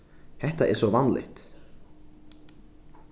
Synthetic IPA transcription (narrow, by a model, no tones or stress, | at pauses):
hɛht̪aʔɛɾ̥sɔvanlʔɪ̰ht̪